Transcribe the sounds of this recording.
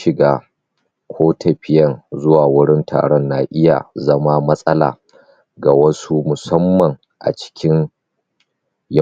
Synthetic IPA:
ɪ˨ɡaː˦ | kʷʰoː˦tʰɐ˨ɸɪ˦jɐ˦˨nzʊ˦waː˨wʊ˦ɽɪ˦ntʰa̰ː˨ɽɔ˦nːaː˨ʔɪ˦ja̰˨zɐ˦ma˦mɐ˦sʼɐ˦la̰ː˨ | ɡa˨wɐ˦su˦mʊ˨sɐ˦mːɐ˨ŋ | ʔa̰˨t͡ʃɪ̥˦kʲɪ˦n | j

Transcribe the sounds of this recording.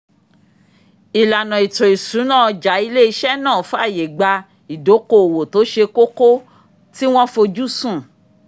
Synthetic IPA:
i˨la˨nã˨i˨to˨i˨sũ˨˦nã˦˨ɔ˧d͡ʒa˨˦i˧le˦i˧ʃɛ˦nãː˦˨fũ˨˦a˦˨je˨ɡ͡ba˧ | i˨do˨˦ko˧˨o˨wo˨to˨˦ʃe˧ko˦ko˦ | ti˦w̃ɔ̃˦fo˧d͡ʒu˦sũ˦˨

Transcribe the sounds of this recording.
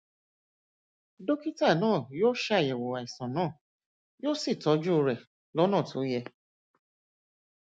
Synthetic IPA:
do˦ki˦ta˦˨nãː˦˨joː˦ʃa˦˨jɛ˨wo˨wa˨i˨sã˨nãː˦˨ | jo˦si˦˨tɔ˨˦d͡ʒu˦˧ɾɛ˨ | lɔ˨˦nãː˦˨tʰo˨˦jɛ˧

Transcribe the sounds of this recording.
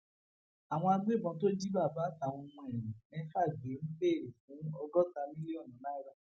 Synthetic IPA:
a˨w̃ɔ̃˧a˧ɡ͡be˦˨bɔ̃˨˦to˦d͡ʒi˦ba˦˨ba˨˦˨ta˦˨w̃ɔ̃˧mũ˧ɛ˨ɾ̃ĩ˨ĩ˨ɛ˦˧˦fa˦˨ɡ͡be˨˦ñ̩˦k͡pe˦˨ɾe˨fũ˨˦ɔ˧ɡɔ˦ta˧mĩ˦le˦ɔ˦˨nɔ̃˨˦la˦i˦ɾa˦

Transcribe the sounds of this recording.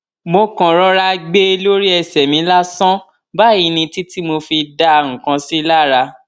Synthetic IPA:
mo˧kã˨ɾɔ˧ɾa˧ɡ͡be˦˧lo˦ɾi˦ɛ˧sɛ˨mĩ˨˦la˦sɔ̃˦ | ba˦i˧nĩ˧ti˦ti˦mo˧fi˧da˧ũ˨kã˨˧si˦la˦˨ɾa˧

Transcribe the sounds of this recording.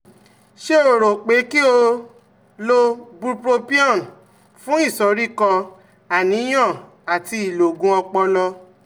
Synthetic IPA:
ʃe˦o˨ɾo˨k͡pe˨˦ki˦o˧ | lo˦bu˦pɾo˧pi˦ɔ˦˨n | fũ˦i˦˨sɔ˨˦ɾi˦˨kɔ˧ | a˨nĩ˨˦j̃ɔ̃˦˨ | a˨ti˧i˨lo˨ɡũ˦ɔ˧k͡pɔ˧lɔ˧

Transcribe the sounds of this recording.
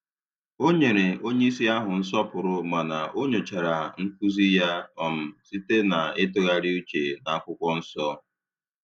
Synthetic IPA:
o˦ɲe˨ɾe˨o˦ɲe˦i˦s̬i˦a˦ɦʊ˨n̩˦sɔ˦pʊ˨ɾʊ˦ma˨na˨ʔo˦ɲo˨t͡ʃa˨ɾa˨ŋ̩˦ku˦zi˦ja˦ɔ˨m̩˨si˦te˦na˨e˦to˦ɣa˦ɾi˦u˦t͡ʃe˨na˨a˦kʷʊ˦kʷɔ˦n̩˦sɔ˦

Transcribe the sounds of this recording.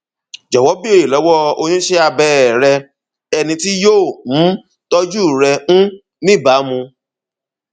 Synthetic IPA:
d͡ʒɔ˨wɔ˨˦bi˦e˦˨i˨lɔ˨˦wɔ˦o˧ɲ̃ĩ˦ʃe˦a˧bɛ˧˨ɾɛ˧ | ɛ˧nĩ˧ti˦joː˦˨ũ˨˦ | tɔ˦d͡ʒu˦˨ɾɛ˧ũ˦ | nĩ˦˨ba˨˦mũ˧

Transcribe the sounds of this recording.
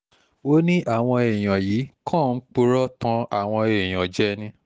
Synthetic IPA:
o˦nĩ˦ʔa˦˨w̃ɔ̃˧e˨j̃ã˨jiː˨˦kʰã˦˨n̩˦k͡pu˦ɾɔ˦tã˧a˨w̃ɔ̃˧e˨j̃ã˨d͡ʒɛ˨˦nĩ˧

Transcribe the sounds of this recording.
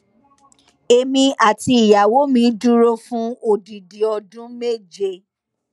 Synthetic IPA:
e˧mĩ˧a˨ti˧i˨ja˨wo˨˦mĩ˧˦du˦ɾo˦fũ˦o˦˨di˨di˨ɔ˧dũ˦me˦˨d͡ʒe˧

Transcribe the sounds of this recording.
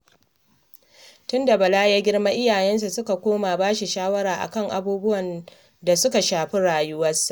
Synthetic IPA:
tʊ˦nda˨bɐ˨laː˦jaː˦ɡʲɪ˦ɽma˦ʔɪ˦jaː˨jɛ˦ns̬a˨sʊ˦ka˨kʷoː˦maː˨baː˦ʃi˨ʃaː˦wɐ˦ɽaː˨ʔa̰˨kɐ˦˨ŋʔa̰˨buː˦bʊ˦wɐ˨n | da˨sʊ˦ka˨ʃaː˨ɸi˦ɽaː˨jʊ˦wɐ˦sːa˨ʔ

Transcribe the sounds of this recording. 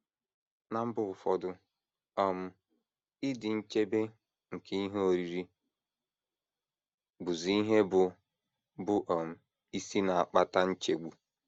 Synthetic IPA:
na˨m̩˦bʊ˦ʊ˨fɔ˨dʊ˦ | ɔ˨m̩˦ | ɪ˦dɪ˨n̩˦t͡ʃe˦be˦ | ŋ̩˨ke˦i˦ɦe˦o˨ɾi˨ɾi˦ | bʊ˨zi˨i˦ɦe˦bʊ˨ | bʊ˦ʔɔ˨m̩˦ | i˦si˦na˨a˨k͡pa˦ta˦n̩˦t͡ʃe˨ɡ͡bu˨

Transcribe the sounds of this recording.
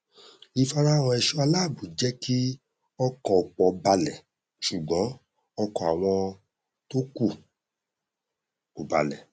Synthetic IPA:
i˧fa˧ɾa˦˨w̃ɔ̃˧ɛ˧ʃu˦a˧la˦˨bu˨˦d͡ʒɛ˦kʰi˦ | ɔ˧kɔ˨k͡pɔ˧˨ba˧lɛ˨ | ʃu˨ɡ͡bɔ̃˨˦ | ɔ˧kɔ˧˨a˨w̃ɔ̃˧ | to˦ku˦˨ | ko˨ba̰˨lɛ̰˨

